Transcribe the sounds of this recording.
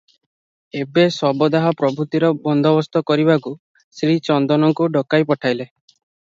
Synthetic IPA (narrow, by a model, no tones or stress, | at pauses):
ebesɔbɔd̪aɦɔpɾɔbʱɾut̪iɾɔbɔnd̪ʱɔbɔst̪ɔkɔɾibaku | sɾit͡ʃɔnd̪ɔnɔŋkuɖɔkajpɔʈʰajle